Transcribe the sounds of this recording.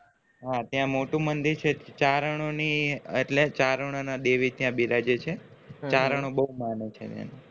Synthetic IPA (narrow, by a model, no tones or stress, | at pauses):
ɦat̪jãmoʈũmənd̪iɾt͡ʃʰet͡ʃaɾəɳ̃onieʈlet͡ʃaɾəɳ̃onad̪eʋit̪jãbiɾad͡ʒet͡ʃʰe | t͡ʃaɾəɳ̃õbəɦumanet͡ʃʰḛt̪ja̰nu